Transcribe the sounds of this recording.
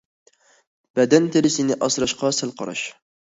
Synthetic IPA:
b̥ɛd̪ɛnt̪ʰeɾɪsɪnɪʔɑsɾɑʃqɑsælˠqɑ̰ɾɑ̰ʃ

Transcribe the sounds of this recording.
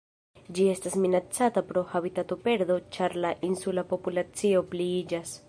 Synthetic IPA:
d͡ʒie̞stasminat͡satapɾo̞habitatope̞ɾd̪o̞t͡ʃaɾlaʔinsulapo̞pulat͡sio̞pliid͡ʒas

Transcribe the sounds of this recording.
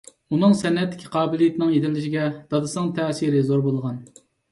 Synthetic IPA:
unɨŋsɛnːɛt̪ʰːɪ̥kʲʰi̥qʰɑːbɪlˠijet̪ʰɪnɪŋjet̪ʰɪlːɪʃiɡʲɛd̪̥ɑd̪ɨsnɨŋt̪ʰɛːsiɾɪzoɾbolˠəʁɑn

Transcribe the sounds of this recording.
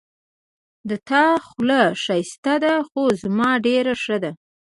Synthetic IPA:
d̪ət̪ɑxlaʂajst̪ad̪axozmɑɖeɾaʂəd̪a

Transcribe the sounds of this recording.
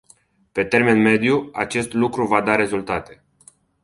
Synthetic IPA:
pe̞t̪e̞rmenme̞d̪jua̰t͡ʃe̞st̪lukɾuvad̪aɾe̞zult̪at̪e̞̥

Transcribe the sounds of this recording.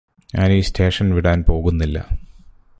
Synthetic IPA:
ɲaːniːstʰe̞ːʂɐnʋiɽaːnpo̞ːɣunːilːɐ̰

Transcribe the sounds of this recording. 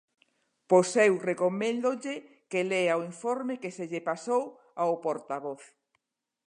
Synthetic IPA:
posewrekomẽnd̪oʎe | keleaoiɱfoɾmekeseʎepasow | aopoɾt̪aβoθ

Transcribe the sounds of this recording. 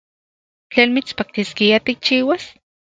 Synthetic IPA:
t͡ɬeːnmit͡spak̚t̪iskiat̪ik̚t͡ʃiːwas

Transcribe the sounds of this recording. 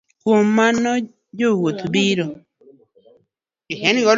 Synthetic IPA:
kwomːanɔ | d͡ʒowot̪biɾo | iheniɣɔ

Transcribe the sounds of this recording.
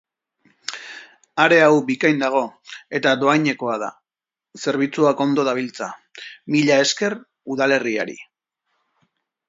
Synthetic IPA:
aɾe̞awbikajnd̪aɣ̞o̞e̞t̪ad̪o̞ajɲe̞ko̞að̞a̰ | se̞ɾβ̞it͡suako̞nd̪o̞ðaβ̞ilt͡samiʎae̞ske̞r | uðale̞ria̰ɾḭ

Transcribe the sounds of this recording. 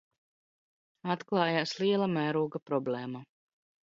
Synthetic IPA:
at̪klˠɑːjaːsliɛlˠamæːɾuːɡapɾɔbleːma

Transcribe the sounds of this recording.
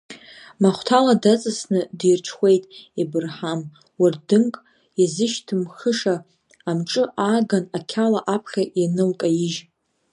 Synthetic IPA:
maχʷtʰaladat͡sʼɨsnɨdijrʈ͡ʂʰχʷe̞jtʼibɨrħam | wardɨŋkʼ | azɨʃtʰɨmχəʂaː | mʈ͡ʂʼɨʔaɡanakʲʰalaʔapʰχʲaʔinɨlkʼajiʒ

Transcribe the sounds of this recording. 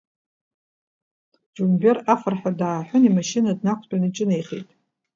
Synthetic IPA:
d͡ʒumberafɨrħᶣadaːħʷᶣʊnimaʃinadnakʷʰʼtʷʼᶣanɨt͡ʃʼɪnejχejtʼ

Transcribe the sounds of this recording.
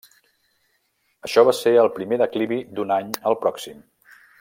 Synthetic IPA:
əʃɔβ̞aseəlˠpɾimeðəkliβid̪unaɲəlˠpɾɔksim

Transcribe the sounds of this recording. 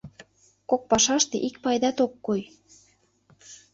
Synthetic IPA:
kok̚pɑʃɑʃt̪ḛʔik̚pɑjd̪ɑt̪okːoj

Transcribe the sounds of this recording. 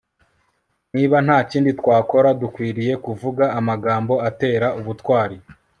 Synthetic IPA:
niːβan̥haːciːnditwaːko̞ɾadukwiːɾije̞kuvuɡaːmaɡaːmbo̞ate̞ːɾauβutwaːɾi

